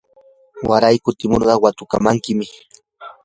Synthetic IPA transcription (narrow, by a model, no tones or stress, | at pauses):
waɾajkʊt̪ɪmoɾɢɑwat̪ʊka̰maŋkɪmɪ